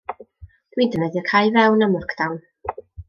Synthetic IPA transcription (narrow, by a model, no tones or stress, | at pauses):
d̥widənɛðjɔkʰajvɛwnamʊrkʰd̥awn